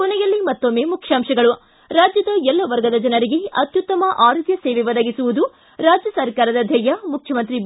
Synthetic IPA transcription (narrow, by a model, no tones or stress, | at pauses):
kɔnɛjɐlːimɐt̪ːomːeːmukʰjaːmʂɐɡɐɭu | ɾaːd͡ʒjɐd̪ɐɛlːɐʋɐɾɡɐd̪ɐd͡ʒɐnɐɾiɡe̞ɐt̪jut̪ːɐmɐʔaːɾud̪jɐsɛːʋɛʋɐd̪ɐɡisuʋud̪u | ɾaːd͡ʒjɐsɐɾkaːɾɐd̪ɐd̪ʱjɐjɐmukʰjɐmɐnt̪ɾi